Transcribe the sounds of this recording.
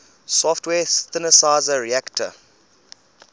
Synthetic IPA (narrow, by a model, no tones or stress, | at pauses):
sɔftwɛːθɪnəsaɪzəɹiæktʰə̰